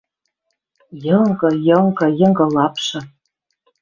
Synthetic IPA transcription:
jɤŋɡɤ̆jɤŋɡɤ̆jɤ̆ŋɡɤ̆lɑpʃɤ̆

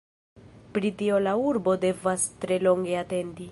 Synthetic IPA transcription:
pɾitio̞lauɾbo̞de̞vastɾe̞lo̞ŋɡe̞ate̞ndi

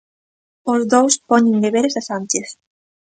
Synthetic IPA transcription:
ozðowspɔɲeŋɡeβeɾesasant͡ʃeθ

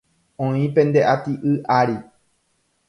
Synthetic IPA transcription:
õĩpẽ̞nd̪e̞ʔat̪iʔɨʔaɾi

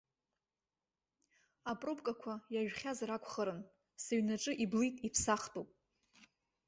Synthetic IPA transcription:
apʼropkʼakʷʰajaʒᶣχʲazɾakʷʰχəɾɨn | saɥnaʈ͡ʂʼɨʔiblijtʼipʰsaχtʼupʼ

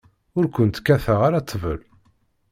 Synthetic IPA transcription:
ʊɾkʷənt̪kːæθəʁaɾat͡s̪ʰˤːvə̰l

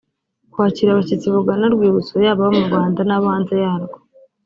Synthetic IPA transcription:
kwaːciɾaβacit͡siβuɡanaɾɡwiːβut͡sojaːβaβomuɾɡwaːndanaβaːnzejaːɾɡo

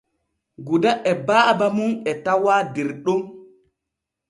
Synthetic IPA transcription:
ɡudaʔɛbaːbamunɛtawadiɾɗom

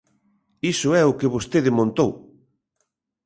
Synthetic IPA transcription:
isʊɛʊkɪβost̪eðɪmõnt̪ow

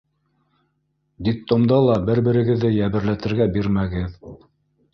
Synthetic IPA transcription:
d̪ʲɪk̚t̪omd̪ɑlˠɑbɘɾbɘ̆ɾɘ̆ɡɘ̆ðːɘjæβɘ̆ɾlæt̪ɘ̆ɾɡæbiɾmæɡɘð

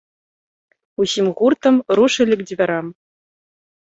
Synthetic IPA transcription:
uɕimʁurt̪ɤ̆mruʂɘ̆lʲɘ̆kd͡ʑʲivʲɘ̆ɾɑm

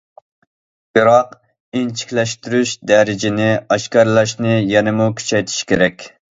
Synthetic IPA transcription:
bɨɾɑq | int͡ʃʰi̥kʲlɛʃt̪yɾyʃd̪ɛɾɪd͡ʒɪnɪɑʃkɑɾlˠɑʃnɪjɛnɪmukʲʰy̥t͡ʃʰɛjt̪ʰi̥ʃi̥kʲʰeɾɛkʲ

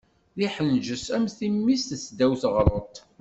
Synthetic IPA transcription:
ðiħənʒəsæmθimːist̪əsd̪æwθʁɾˤot̪ˤ

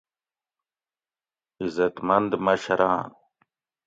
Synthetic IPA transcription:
izɐt̪mɐnd̪mɐɕɐɾãː

